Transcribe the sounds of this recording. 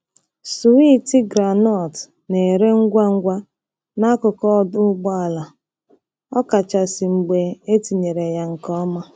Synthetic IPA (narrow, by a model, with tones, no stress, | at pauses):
su˨wi˦ti˦ɡɾa˨nɔ˦˨t | ne˨ɾe˦ŋ̩˦ɡʷa˦ŋ̩˦ɡʷa˦ | na˦kʊ˨kɔ˦˨dʊ˦ɡ͡bɔ˦a˨la˨ | ɔ˦ka˨t͡ʃa˨si˨ŋ͡m̩˨ɡ͡be˨e˦ti˨ɲe˨ɾe˨ja˦ŋ̩˨kɔ˦ma˦